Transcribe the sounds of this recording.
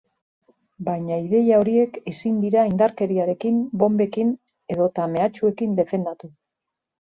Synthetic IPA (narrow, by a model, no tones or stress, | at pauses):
bajɲaiðe̞jao̞ɾie̞kesind̪iɾaind̪aɾke̞ɾiaɾe̞kimbo̞mbe̞kin | e̞ðo̞t̪ame̞at͡ʃue̞kind̪e̞fe̞nd̪at̪u